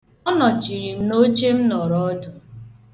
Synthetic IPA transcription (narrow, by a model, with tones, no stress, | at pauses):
ɔ˦nɔ˨t͡ʃi˨ɾi˨m̩˦no˦t͡ʃe˦m̩˦nɔ˨ɾɔ˦dʊ˨